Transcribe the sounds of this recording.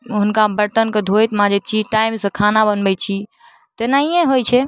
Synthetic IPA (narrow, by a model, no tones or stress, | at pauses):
ɦʊnkabəɾt̪ənked̪ʱojt̪mãd͡ʒɛt̪̚t͡ʃʰiʈaimsə̃kʰanabənbɛt͡ʃʰi | t̪enaɦijẽɦojt͡ʃʰɛ